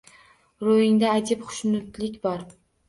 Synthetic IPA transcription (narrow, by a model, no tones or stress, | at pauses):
ɾojɪŋd̪aːjd͡ʒ̪ɪpχʊ̥ʃnʊt̪lɪkʲbɒɾ